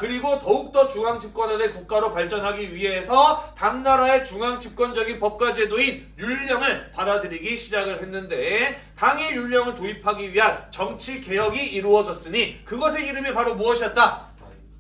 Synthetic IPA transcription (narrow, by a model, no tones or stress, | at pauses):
kɯɾiɡotʌuk̚t͈ʌt͡ɕuŋaŋd͡ʑip̚k͈wʌnadekuk̚k͈aɾopaɭt͡ɕ͈ʌnɦaɡiɥiɦe̞sʰʌtaŋnaɾae̞t͡ɕuŋaŋd͡ʑip̚k͈wʌnd͡ʑʌɡinpʌp̚k͈wad͡ʑe̞doin | juʎːʌŋɯɭpadadɯɾiɡiɕʰid͡ʑaɡɯɭɦe̞nːɯnde̞taŋejuʎːʌŋɯɭtoipʰaɡiɥiɦant͡ɕʌŋt͡ɕʰike̞jʌɡiiɾuʌd͡ʑʌs͈ɯɲikɯɡʌs̬ʰe̞iɾɯmipaɾomuʌɕʰiʌt̚t͈a